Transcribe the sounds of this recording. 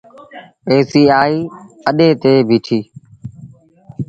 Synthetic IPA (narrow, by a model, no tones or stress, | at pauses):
eːsiːaːiː | əɗeːt̪eːbʱiːʈʰiː